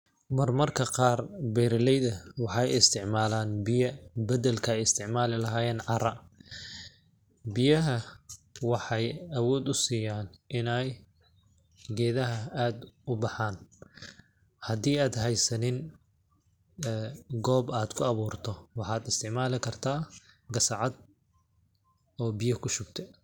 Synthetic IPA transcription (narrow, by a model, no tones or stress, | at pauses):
mɐrmɐrkʰɐqɑːrbɛɾɪlɛjðɐwɑħɑjɪst̪ʰɪʕmaːlaːnbɪjɐbɐd̪ɛlkʰɐɛjɪst̪ʰɪʕmaːlɪlɐɦaːjɛːnʕɑrɐ | bɪjɐɦɐwɑħɑjɐwɔːd̪ʊsiːjaːnʔɪnɛj | ɡɛːðɐɦɐaːd̪ʊbɑħaːn | hɐd̪iːaːd̪hɛjsɐnɪn | ɡɔːbaːd̪̥kʰʊɐβuːrt̪ʰɔwɑħɑːd̪ɪst̪ʰɪʕmaːlɪkʰɐrt̪ʰaːɡɐsɑʕɑd̪̚ | ɔːbɪjɐkʰʊʃʊɡ̚t̪ʰɛ